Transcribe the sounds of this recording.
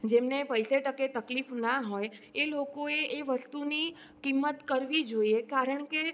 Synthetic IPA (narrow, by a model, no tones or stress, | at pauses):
d͡ʒemnepəjseʈəket̪əklifnaɦojelokoeʔːʋəst̪uni | kimːət̪kəɾʋid͡ʒoiekaɾəɳke